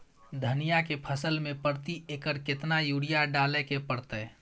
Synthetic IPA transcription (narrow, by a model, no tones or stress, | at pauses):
d̪ʱənijakepʰəsəlmepəɾt̪iekəɾkɪt̪najuɽijaɖalɛkepəɾt̪ə